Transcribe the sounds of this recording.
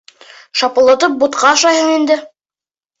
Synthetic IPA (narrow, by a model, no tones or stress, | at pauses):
ʃɑpɤ̆lˠɤ̆t̪ɤp̚but̪qɑːʃɑjɦɤɴind̪ɘ